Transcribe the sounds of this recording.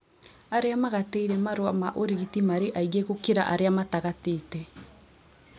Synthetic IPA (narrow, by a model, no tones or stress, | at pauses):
aɾeamaɣatɛiɾɛmaɾoamaʔoɾeɣitimaɾeʔaiɣeɣokeɾa̰ʔaɾeamataɣateːtɛ